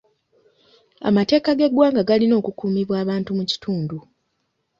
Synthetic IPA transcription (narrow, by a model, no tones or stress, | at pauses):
a̰mate̞ːkaɡe̞ɡwaːŋɡaɡalino̞ːkukuːmiβwaːβaːntumuci̥tuːndu